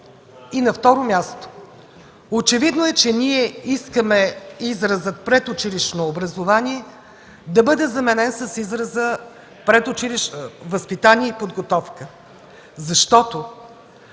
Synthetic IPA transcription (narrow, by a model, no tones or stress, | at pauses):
inɐft̪ɔɾomʲjast̪o̥ | ot͡ʃɛvid̪noɛt͡ʃɛniɛiskəmɛizɾɐzət̪̚pɾɛt̪ʊt͡ʃiliʃnoːbɾɐzovanʲiɛ | d̪ɐbɤd̪ɛzɐmɛnɛnsəsizɾəzə | pɾɛt̪ʊt͡ʃiliʃvəspit̪anʲiɛipod̪ɡot̪ɔfkə | zɐʃt̪ɔt̪o